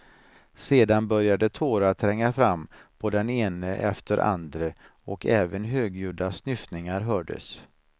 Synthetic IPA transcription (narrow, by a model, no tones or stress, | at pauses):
seːd̪anbœɾjad̪ət̪ʰoːɾat̪ʰɾɛŋːafɾamːpʰɔd̪ɛneːnəʔɛ̰ft̪əɾʔa̰nd̪ɾə | ɔkʰɛːvənɦøːɡjʉːd̪asnʏfnɪŋaɾɦœːɖə̰s